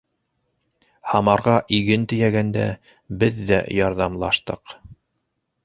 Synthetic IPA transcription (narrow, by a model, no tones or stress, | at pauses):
hɑmɑɾʁɑʔiɡɘnt̪ɵ̆jæɡænd̪æ̰ | bɘðːæ̰jɑɾðɑmlˠɑʃt̪ɤq